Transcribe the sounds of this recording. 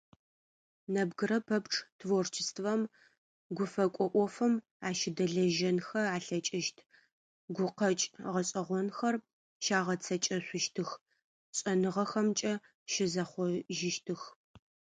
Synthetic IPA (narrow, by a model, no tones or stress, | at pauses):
nɐbɡɨɾɐpʰɐpʈ͡ʂʼtʰvort͡ʃʰɪstʰvɐm | ɡʷʊfɐkʷʼɔʔʷɔfɐm | aːʃɪdɐɮɐʒɐnxɐaːɬɐt͡ʃʼɪʃtʰ | ɡʷʊqɐt͡ʃʼʁɐɕʼɐʁʷɔnxɐr | ʃaːʁɐt͡sʰɐt͡ʃʼɐɕʷʊʃtʰɨx | ɕʼɐnɨʁɐxɐmt͡ʃʼɐ | ʃɪzɐχʷɔʒɪʃtʰɨx